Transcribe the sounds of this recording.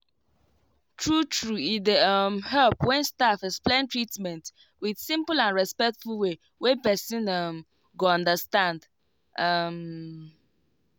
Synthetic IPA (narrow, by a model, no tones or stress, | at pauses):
tʰɹutʰɹuidʌmhɛlpwɛ̃nstafɛksplẽɪ̃ntɹitmɛ̃nt | wið̥sĩmpəl̩ãnɹɛspɛk̚tfulwe | wẽpɛsĩnʌm | ɡoɔ̃ndəstãnd | ʔʌm